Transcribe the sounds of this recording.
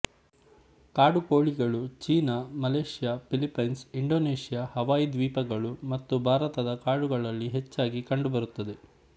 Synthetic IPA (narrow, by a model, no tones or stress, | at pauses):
kaːɽuko̞ːɭiɡɐɭut͡ʃiːnamɐleːʂijaːpilipːɐjnsiɳɖo̞ːneːʂijahɐʋaːjid̪ʋiːpɐɡɐɭumɐt̪ːubʱaːɾɐt̪ɐd̪ɐkaːɖuɡɐɭɐlːiɦet͡ʃːaːɡikɐɳɖubɐɾut̪ːɐd̪e̞